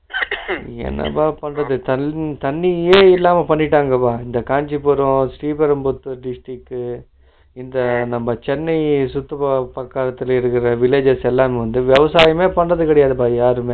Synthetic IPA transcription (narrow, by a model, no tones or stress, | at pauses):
ɛ̰nːɐ̰paːpɐɳrɐðɯt̪ɐt̪ɐɳːieːɪlːaːmɐpɐɳːɪʈːaːŋɡɐpaːɪnd̪ɐkaːɲd͡ʒipɔɾõsʈiːpɐɾɐmbʊt̪ːɯɖɪsʈɪkːɯ | ɪnd̪ɐnɐmːɐt͡ʃɛnːɐɪsʊt̪ːɐpɐpɐkːaːlɐt̪ːɪlɪɾɯkːɪɾɐʋɪleːd͡ʒɛsɛlːaːmeʋɐnd̪ɯʋjɛʋɐsaːjɐmeːpɐɳrɐðɯkɐɽɐjaːðɐpaːjaːɾɯmeː